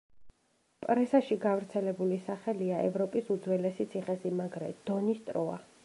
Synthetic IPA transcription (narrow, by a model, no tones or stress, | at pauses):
pʼɾɛsaʃiɡavɾt̪sʰɛlɛbulisaχɛliaʔɛvɾɔpʼisud̪zwɛlɛsit̪sʰiχɛsimaɡɾɛ̰d̪̥ɔnist̪ʼɾɔa̰